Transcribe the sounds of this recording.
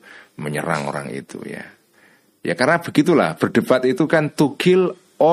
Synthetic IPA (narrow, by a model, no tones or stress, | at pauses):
məɲə̰ɾa̰ŋo̰ɾa̰ŋḭt̪ṵja̰ | jakarnab̥əɡit̪ula̰hb̥ərɖ̥əpat̪it̪ukant̪uɡ̥ɪl | o